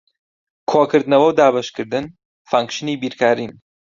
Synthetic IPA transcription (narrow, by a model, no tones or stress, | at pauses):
kʰoːkɨɾd̪nɐwɐwd̪aːbɐʃkɨɾd̪ɨn | faŋkʃɨniːbiɾkʰaːɾim